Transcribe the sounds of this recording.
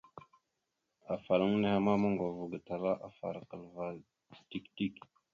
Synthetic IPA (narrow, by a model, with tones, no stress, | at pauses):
a˨fa˨ɾa˦ŋ˦ne˦ha˦ma˦ma˦ŋɡʷa˨vu˨ɡa˨ta˨la˦ʔa˨fa̰˨ɾa˨kə˨lva˨ | ti˦˨kti˦˨k